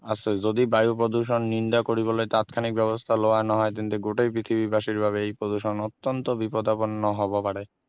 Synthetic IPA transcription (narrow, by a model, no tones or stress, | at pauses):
asʰed͡ʑod̪ibajupɾod̪uʃ̬onːind̪akoɾibolet̪at̪kʰanik̚bɛβost̪ʰaloanaɦɔet̪int̪eɡoʈejpɾit̪ʰibibaʃiɾbʱaβeejpɾod̪uʃonɔt̪ːont̪obipod̪aponːoɦɔbopaɽe